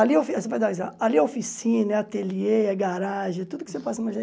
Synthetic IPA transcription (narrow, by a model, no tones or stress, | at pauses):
aliɐofisevajd̪asa̰aliɐofisĩnɐɛɐt̪elieaɡaɾaʒẽt̪ud̪ʊkɪ̥sepasɐmɐʒe